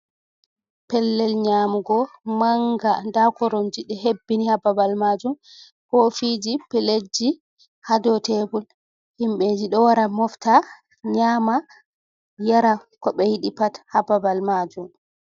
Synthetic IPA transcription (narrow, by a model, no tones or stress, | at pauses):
pɛlːɛlɲamuɡɔmaŋɡandakɔɾond͡ʒiɗɛɦebːinihababalmad͡ʒum | hofid͡ʒipɛled͡ʒːi | hadɔtebul | himɓɛd͡ʒiɗɔwaɾamɔfta | ɲama | jaɾakɔɓɛjiɗipathababalmad͡ʒum